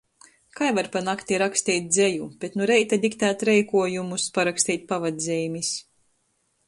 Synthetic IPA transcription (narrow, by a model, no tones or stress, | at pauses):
kajvaɾpanakt̪iɾakst̪iːt̪̚ʲd̪zʲejub̥ʲet̪nuɾɛjt̪ad̪ikt̪æːt̪ɾɛjkuɔjumuspaɾakst̪iːt̪̚ʲpavad̪zʲɛjmis